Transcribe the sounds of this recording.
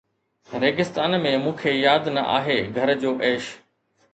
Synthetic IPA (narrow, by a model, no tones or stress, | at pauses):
ɾeːɡɪst̪aːnmẽmũːkʰejaːd̪nɐʔa̰ːɦeːɡʱɐɾd͡ʑoːʔeːʃ